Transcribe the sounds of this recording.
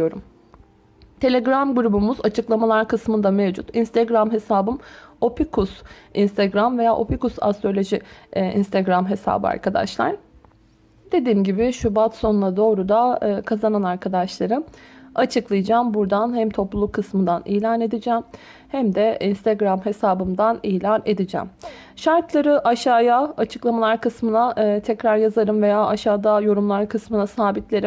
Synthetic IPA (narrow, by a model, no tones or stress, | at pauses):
ijo̞ɾum | t̪ʰe̞lʲeɡɾamɡuɾubumuzat͡ʃʰɯklˠamalˠaɾkɯsmɯnd̪amevd͡ʒṵt̪inst̪ʰeɡɾamɦe̞saːbɯmo̞pʰikʰusinst̪ʰeɡɾamve̞jaːʔo̞̰pikusa̰st̪ɾo̞lʲo̞ʒiḭnst̪ʰeɡɾamɦe̞sa̰ːbɯ̰a̰ɾkʰad̪a̰ʃlˠa̰ɾ̥ | d̪̥e̞d̪iːmɟibɪʃubat̪so̞nunˠad̪o̞ːɾud̪aːkʰazananaɾkʰad̪aʃlˠaɾɯat͡ʃʰɯklˠɯjd͡ʒaːmbuɾd̪anhæmt̪ʰo̞plˠulˠukʰːɯsmɯnd̪anḭːlʲaːne̞d̪id͡ʒɛm | hæmd̪ɛʔinst̪ʰɛɡɾamɦe̞saːbɯmd̪aniːjlʲane̞d̪id͡ʒɛ̰m | ʃaɾt̪lˠaɾɯʔaʃaːjaat͡ʃʰɯ̥klˠamalˠaɾkɯsmɯnat̪ʰɛcɾaɾjazaɾɯmve̞jaːaʃaːd̪ajo̞ɾumlˠaɾkʰɯsmɯnasaːbit̪lʲe̞ɾim